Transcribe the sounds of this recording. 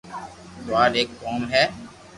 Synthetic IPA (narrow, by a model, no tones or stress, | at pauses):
ʊʋaːɾeːkːɔːmɦɛː